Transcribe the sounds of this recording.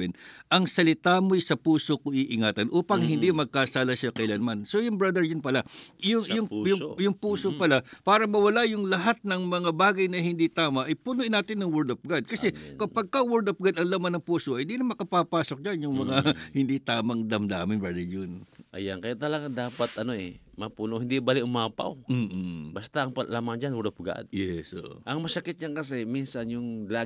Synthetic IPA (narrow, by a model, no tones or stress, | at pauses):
ɛnʔɐŋsɐlɪt̪amojsɐpuːsokoʔiʔɪŋaːt̪ɐnʔuːpɐŋhɪnd̪imɐɡ̚kaːsaːlɐʃakɐjlɐnmansojʊŋbɹɐd̪ɛɹjʊnpɐlajʊŋjʊŋjʊŋjʊŋpuːsopɐlapaːɾɐmɐwɐlajʊŋlɐɦat̪̚nɐŋmɐŋabaːɡɐjnɐhɪnd̪it̪aːmɐʔɐjpʊnʊʔɪnːaːt̪ɪnːɐŋwɛɹd̪ofɡad̪̚kɐsɛkɐpɐɡ̚kɐwɛɹd̪op̚ɡad̪ɐŋlɐmanːɐŋpuːsoʔɐjhɪnd̪inɐŋmɐkɐpapaːsok̚d͡ʒanjʊŋmɐŋahɪnd̪it̪aːmɐŋd̪ɐmd̪aːmɪnbɐdɐjʊnʔɐ̰jankɐjat̪ɐlɐɡaŋd̪aːpat̪ʔɐnoɛ̰mɐpuːnohɪnd̪ibalɪʔʊmaːpa̰wm̩ːbast̪aʔɐŋpɐlaːmaŋd͡ʒanwɛɾd̪op̚ɡa̰d̪̚jɛsʔo̰ʔo̰ʔɐŋmɐsɐkɪt̪̚d͡ʒankɐs̬ɛminsɐnjʊŋla